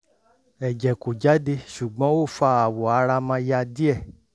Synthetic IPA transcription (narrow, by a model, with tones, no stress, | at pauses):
ɛ˨d͡ʒɛ˨ko˨d͡ʒa˨˦de˧ʃu˨ɡ͡bɔ̃˨˦o˦˨fa˧a˨wɔ˨a˨˧˦ɾa˧mã˧ja˧di˦ɛ˦˨